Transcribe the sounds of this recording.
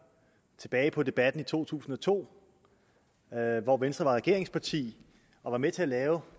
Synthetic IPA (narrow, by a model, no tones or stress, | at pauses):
t͡sʰe̝b̥ɛːɪpʰɒ̽d̥e̝b̥æd̥n̩it͡sʰo̝̰ːt͡sʰṵːsn̩ɒ̽t͡sʰo̝̰ː | ʋɒʋensd̥ʁɐʋɑ̈ʁɛɡ̥e̝ɐe̝ŋspʰɑ̈t͡sʰḭː | ʔɒ̽ʋɑ̈met͡sʰe̝ælɛːʊ